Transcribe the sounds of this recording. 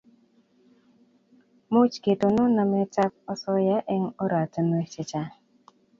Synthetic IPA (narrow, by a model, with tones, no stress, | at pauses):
mu˦t͡ʃke˨tʊ˨nʊ˦na˨me˦ta˦k̚ɔ˦sɔ˦ja˦ʔɪ˦ŋo˦ɾa˨tə˦n˦e˦t͡ʃɪ˦t͡ʃa˦